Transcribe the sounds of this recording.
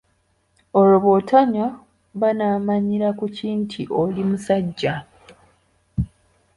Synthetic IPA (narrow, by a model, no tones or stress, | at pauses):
oloβotʰaɲa | βanaːmaɲiɾakuciːntʰiʔolimusaɟːa